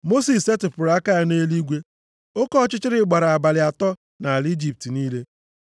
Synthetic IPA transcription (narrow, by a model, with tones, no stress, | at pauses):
mo˦si˨se˦tɪ˨pʊ˨ɾa˦ka˦a˦neː˦li˦ɡʷe˦ | o˦kɔ˦t͡ʃɪ˦t͡ʃɪ˦ɾɪ˦ɡ͡ba˨ɾa˨a˨ba˨lɪ˨a˨tɔ˦ | na˨a˨li˦d͡ʒi˨p̚ti˨niː˦le˦